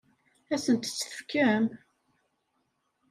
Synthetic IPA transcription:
æsənt̪t͡sːə̥θə̥fkːæm

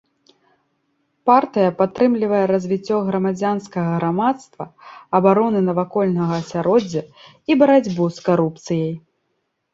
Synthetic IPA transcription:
part̪ɨjɐpat̪ːɾɨmlʲivɐjɛɾɐzʲvʲit͡sʲːɔɣɾɐmad͡zʲanskɐɣɐɣɾamat̪st̪vɐɐbaɾɔnɨnɐvakɔlʲnɐɣɐːsʲaɾɔd͡zʲːɐ | ibɐɾad͡zʲbuskaɾup̚t̪sɨjɐj

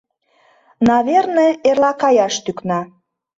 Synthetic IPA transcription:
nɑβerneerlɑkɑjɑʃt̪yknɑ

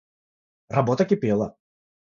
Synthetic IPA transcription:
rɐbot̪əkʲɪpʲelˠɐ

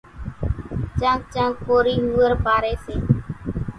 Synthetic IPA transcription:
t͡ʃãːk̚t͡ʃãːkoːɾiːɦuːəɾpaːɾeːseː

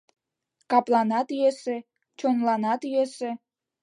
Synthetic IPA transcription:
kɑplˠɑnɑt̪yjese | t͡ɕonlɑnɑt̪yjese

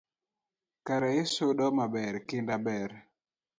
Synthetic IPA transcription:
kaɾaesoɗɔmabɛɾkɪndabɛɾ

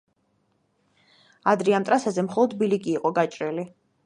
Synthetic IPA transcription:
ad̪ɾiamt̪ʼɾasazɛmχɔlˠɔd̪biliɡʼiːqʼɔɡat͡ʃʼɾɛli

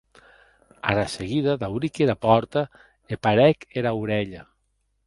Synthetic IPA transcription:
a̰ɾaseɣiðaðawɾikeɾapɔɾt̪a | epaɾɛkeɾawɾɛʎa

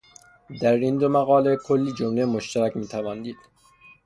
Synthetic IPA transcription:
d̪æɾind̪omæɣɒːlekʰolːiːd͡ʒomlemoʃt̪ʰæɾæcʲmiːt̪ʰævɒːnd̪iːd̪̥

